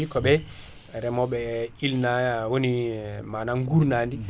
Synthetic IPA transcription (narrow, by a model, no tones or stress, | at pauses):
ikɔɓɛ | ɾɛmɔɓɛilnawonimanaŋɡuɾnandi